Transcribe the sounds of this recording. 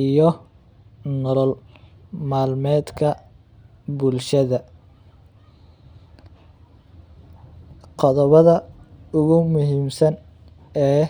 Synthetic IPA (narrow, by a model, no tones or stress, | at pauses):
ijɔ | nɔlɔlmaːlmɛːd̪kʰɐ | bʊlʃɐðɐ | qɔðɔβɐðɐʊɣʊmʊɦiːmsɐn | ɛː